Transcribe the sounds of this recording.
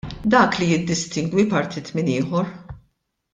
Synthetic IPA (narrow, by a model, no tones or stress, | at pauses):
d̪ɐːklijɪd̪ːɪst̪ɪŋɡwipɐɾt̪ʰit̪mɪnɪːħɔɾ